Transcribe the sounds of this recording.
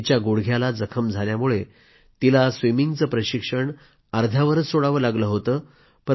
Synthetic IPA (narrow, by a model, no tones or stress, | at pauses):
t͡ɕjaɡoɽɡʱjalad͡zəkʰəmd͡zʱaljamuɭe | t̪ilasʋimiŋɡt͡səːpɾəɕikʂəɳ | əɾd̪ʱjaʋəɾət͡ssoɽaʋəlaɡləɦot̪əː | pə